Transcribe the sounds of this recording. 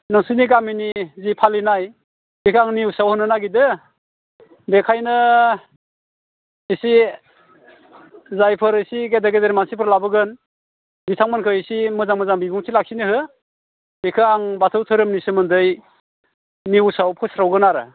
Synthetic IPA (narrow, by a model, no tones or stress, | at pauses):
nɯŋsɯniɡaminizipʰalinaj | bikʰɯaŋniusawhɯnɯnaɡidɯ | bekʰajnɯ | isi | zajpʰɯɾɯsiɡedeɡedeɾmansipʰɯɾlabɯɡɯn | bitʰaŋmankʰɯisimɯzaŋmɯzaŋbibuŋtʰilak̚sinihɯ | bikʰɯaŋbatʰɯwtʰɯɾɯmnisɯmɯndɯj | niusawpʰɯsɾawɡɯnaɾɯ̰